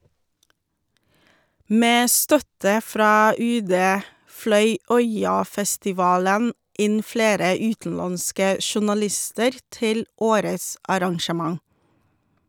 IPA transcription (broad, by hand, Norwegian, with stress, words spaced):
ˈmeː ˈstœtə ˈfɾɑː ˈʉːˌdeː ˈflœʏ ˈœʏɑfɛstɪˌʋɑːlən ˈɪn ˈfleːɾə ˈʉːtn̩ˌlɑnskə ʃʊnɑˈlɪstəɾ ˈtɪl ˈoːɾəs ɑɾɑŋʃəˈmɑŋ